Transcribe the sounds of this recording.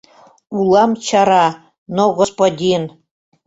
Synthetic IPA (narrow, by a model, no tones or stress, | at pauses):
ulˠɑmt͡ɕʰɑɾɑ | noɡospod̪ʲin